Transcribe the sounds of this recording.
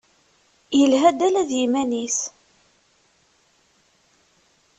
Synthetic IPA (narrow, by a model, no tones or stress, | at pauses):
jəlɦæd̪ælæðjimænis